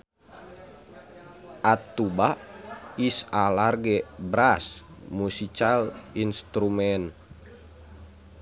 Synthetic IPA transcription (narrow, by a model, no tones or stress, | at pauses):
ʔat̪ːubaʔisalarɡɛbɾasmusikalinst̪ɾumɛn